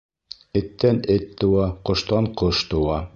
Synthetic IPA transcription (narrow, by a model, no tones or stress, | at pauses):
ɘ̆t̪ːænɘt̪ːɤ̆wɑqŏʃt̪ɑɴqoʃt̪ɤ̆wɑ